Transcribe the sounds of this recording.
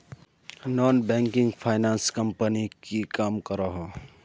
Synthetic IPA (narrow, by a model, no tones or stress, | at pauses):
nɔːnbɛ̃ːŋkɪ̃ŋɡpʰaːɪnãːnskəmpənikikaːmkəɾaɦo